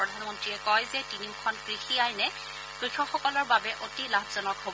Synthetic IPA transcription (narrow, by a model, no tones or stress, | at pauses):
ɔdʱanmɔntɹiɛkɔjzɛtinimkʰɔnkɹixiajnɛ | kɹixɔxɔkɔlɔɹbabɛʔotilabʱzɔnɔkɦob